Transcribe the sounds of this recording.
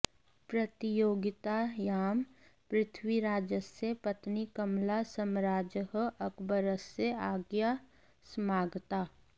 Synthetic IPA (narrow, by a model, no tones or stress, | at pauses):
pɾɐt̪ijoːɡɪt̪ajaːm | pɾɪt̪ʰwiɾaːd͡ʒəsepət̪nikɐmlasəmɾaːd͡ʒəɦɐkbəɾəseaːɡja | smaːɡt̪aː